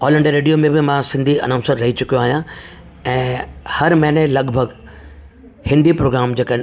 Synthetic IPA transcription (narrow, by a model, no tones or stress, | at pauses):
ɔːlə̃ɳɖəɾeːɖijomẽbɪmãsɪ̃nd̪ʱiɐ̰nãːʊ̃səɾːɐɦit͡ɕʊkijõaːɦijã | ɛ̃ːhɐɾmɛ̃ːnelɐɡbʱɐɡ | hɪ̃nd̪ʱipɾoːɡɾaːmd͡ʑeːkən